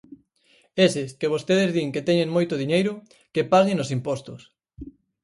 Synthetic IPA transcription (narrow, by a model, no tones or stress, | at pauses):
esɪskeβ̞ost̪eðezðiŋket̪ɛɲeŋmojt̪ʊðiɲejɾʊ | kepaɣenosimpɔst̪ʊs